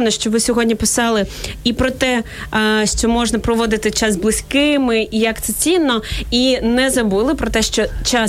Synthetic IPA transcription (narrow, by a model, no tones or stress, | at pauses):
nɔʃt͡ʃɔʋɪsʲɔɦɔdʲnʲipɪsɑlˠɪipɾɔt̪ɛ | ʃt͡ʃɔmɔʒnɐpɾɔʋɔd̪ɪt̪ɪt͡ʃɑzblˠɪsʲkɪmɪijɐkt̪sɛt͡sʲinːɔinɛzɐbulˠɪpɾɔt̪ɛʃt͡ʃɔt͡ʃa